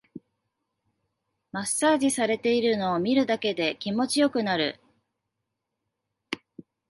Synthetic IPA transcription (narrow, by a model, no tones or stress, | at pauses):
masaːʑisaɾe̞t̪e̞iɾɯ̟no̞ːmʲiɾɯ̟d̪ake̞d̪e̞kʲimo̞t͡ɕijo̞kɯ̟naɾɯ̟̰